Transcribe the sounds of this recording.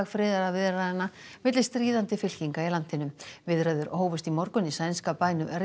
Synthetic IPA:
ɣfɾɪːðaɾavɪðɾaðɛnːavɪt̪lɪst̪ɾiːðant̪ɪfɪl̥ciŋkailan̥t̪ɪnʏmvɪðɾajðʏɾoːwvɪst̪imɔɾkʏnisajnskapaːjnʏʔɛɾ

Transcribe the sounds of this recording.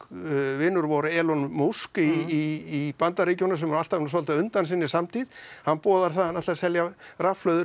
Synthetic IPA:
vɪːnːʏɾvɔɾʏɛːlɔnmowskiiːpant̪ariːcɪɔnːas̬ɛmɛɾal̥t̪avnas̬ɔlt̪aʏnt̪ansɪnːɪsamt̪ʰiðhanːpɔːðaɾ̥θaðanat̪asɛljarafflœɥðʏ

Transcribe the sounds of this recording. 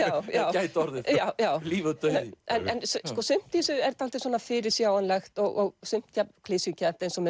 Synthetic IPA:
jawjaːwcajt̪ɔɾðɪjaːwjaːwliːvaðt̪œðɪɛnɛnsskɔsʏm̥t̪isʏɛɾt̪ʰalt̪ɪsɔːnafɪɾɪɾsjaːwanlɛxt̪ɔɣɔɣsʏm̥t̪jakʰlɪsjʏcat̪ejnsɔmɛ

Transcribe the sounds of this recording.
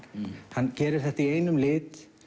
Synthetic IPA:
hanːcɛːɾɪɾ̥θɛht̪aiejnʏmlɪːt̪

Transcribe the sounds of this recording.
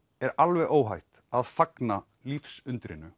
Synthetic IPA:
ɛɾalvɛʔoːwɦajht̪ | aðfakna | lifsʏnt̪ɾɪ̰nʏ

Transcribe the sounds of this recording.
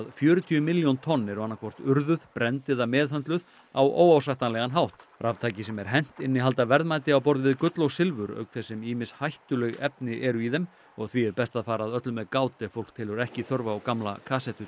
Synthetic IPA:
ðfjœːɾʏt̪ʰiʏmɪljownt̪ʰɔnːɛɾɔwanːakʰvɔr̥t̪ʏɾðʏðpɾɛnt̪ɪðamɛːðɦœnt̪lʏð | a̰wʔo̰ːwawsajht̪anlɛɣanɦawht̪ɾʔavt̪ʰaːjcɪsɛmɛɾ̥ɦɛn̥t̪ɪnːɪɦalt̪avɛɾðmajt̪ɪawpɔɾðɪvɪðkʏt̪lowsɪlvʏɾœ̰ːɥkθɛsːɪmiːmɪnshajht̪ʏlɛɣɛpnɪʔɛɾʏiðɛm | ɔɣθviɛɾpɛst̪aðfaːɾaðœt̪lʏmɛðkaːwt̪ɪfowl̥k̚t̪ʰɪlʏɾɛhcɪθœɾvaːwkamla̰kʰaːsɛt̪ʏ

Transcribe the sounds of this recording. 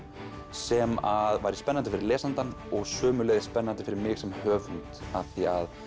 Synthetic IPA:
sɛmaðvaːjɾɪspɛnːant̪ɪfɪɾɪɾlɛːsant̪anɔɣsœːmʏlɛːɣðɪspɛnːant̪ɪ̥fɪɾɪɾmɪːɣsɛmhœːvʏnt̪aθia̰ð

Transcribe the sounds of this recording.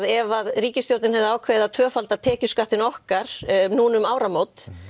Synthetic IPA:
ðɛvaðriːcɪst̪jowɾt̪nɪnhɛvðʏaːwkʰvɛːɪðat̪ʰvœːfalt̪aðt̪ʰɛːcʏskaht̪ɪnɔhkaɾ̥nuːnʏmaːwɾamoːwt̪

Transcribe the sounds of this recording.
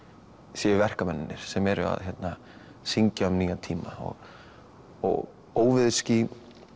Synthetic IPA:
sjɛvɛr̥kamɛnːɪnːɪɾ̥sɛmɛɾʏ̰a̰ðçɛt̪na | siɲcamniːɣat̪ʰiːmaɔ̰ɣ | ɔ̰ɣ | oːwvɪðscɪ

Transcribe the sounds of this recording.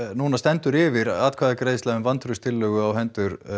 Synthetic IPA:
nuːnast̪ɛnt̪ʏɾɪvɪɾaːt̪kʰvaːðakɾeːjðslaʏmvant̪ʰɾʏst̪ʰɪlːœːɣʏawɦɛnt̪ʏɾ̥

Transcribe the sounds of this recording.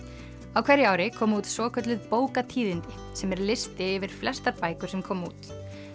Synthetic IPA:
awkʰvajɾːɪaːwɾɪkʰɔːmuːt̪sɔːkʰœt̪lɪðpoːwkat̪ʰiːðɪnt̪ɪ | sɛmɛɾlɪst̪ɪɛvɪɾ̥flɛst̪aɾpaːjkʏɾ̥sɛmkʰɔːmṵːt̪

